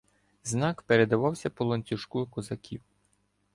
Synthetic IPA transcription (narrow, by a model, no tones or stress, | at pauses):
znɑkpeɾed̪ɐʋɑwsʲɐpɔlˠɔnʲt͡sʲʊʃkukɔzɐkʲʰiw